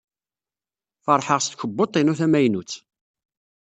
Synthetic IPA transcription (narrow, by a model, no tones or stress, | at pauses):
fɑɾˤħəʁst̪kəbːot̪ˤːinuθæmæjnut͡sː